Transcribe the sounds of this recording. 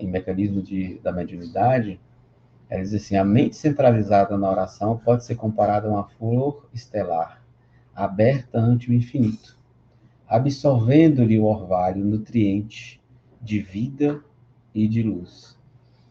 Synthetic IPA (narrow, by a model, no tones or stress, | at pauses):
ẽmekɐ̃nizmʊd͡ʒɪd̪ɐmed͡ʒũnid̪ad͡ʒɪ | ɛ̰lɐd͡ʒizasĩɐmẽnt͡ʃɪ̥sẽnt̪ɾalizad̪ɐnɐɔɾasɐ̃w̃pɔd͡ʒɪseɾkõmpaɾad̪ɐũɐfoɾɪst̪elaɾ | abɛɾt̪ɐɐ̃nt͡ʃɪuĩfinit̪ʊ̥ | abisoɾvẽnd̪ʊlɪʊɔɾvalʊnut̪ɾiẽnt͡ʃɪ̥ | d͡ʒɪvid̪ɐ | ɪd͡ʒɪlus